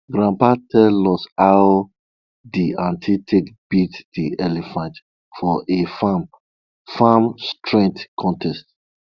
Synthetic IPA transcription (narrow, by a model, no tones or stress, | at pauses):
ɡɹãmpatʰɛlɔsaw | diãntʰitʰekb̥itd̥iʔɛlifãnt | fɔʔefam | famstʰɹɛ̃ŋk̚tkʰɔ̃ntʰɛst